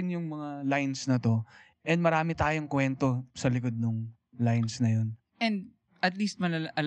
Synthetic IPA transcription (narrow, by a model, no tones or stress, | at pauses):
ɪnjʊŋmɐŋalajnsnɐt̪o̞ | ʔɛnd̪mɐɾaːmɪt̪aːjoŋkwɛnt̪o̞sɐlɪkod̪̚nʊŋ | lajnsnɐjo̞n | ʔɛ̃nd̪̚ | ʔɐt̪liːst̪̚mɐlɐʔɐl